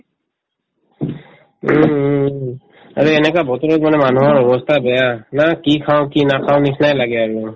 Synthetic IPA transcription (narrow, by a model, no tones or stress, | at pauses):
aɹuɛnɛkabɔtɔɹɔt̚mɔnɛmanuɦɔɹɔbɔstʰabɛjanakikʰaʊ̃kinakʰaʊ̃nisnajlaɡɛaɹu